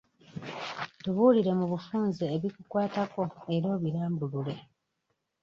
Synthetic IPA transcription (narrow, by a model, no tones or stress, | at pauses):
tuβuliɾe̞muβufuːnzeːβikukwaːtako̞eɾo̞ːβiɾaːmbulule̞